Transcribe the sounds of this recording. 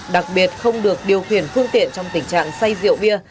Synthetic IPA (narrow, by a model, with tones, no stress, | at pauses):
ɗa˨˩k̚ɓi˨˩ət̚xə˧wŋ͡mɗɨ˨˩ək̚ɗi˨˩əwxḭ˧˩ənfɨ˧əŋt̪ḭ˧˨ənt͡ɕɔ˧wŋ͡mt̪ï˧˩ŋ̟t͡ɕa̰ː˧˨ŋsa˧jzḭ˧˨əwɓi˧ə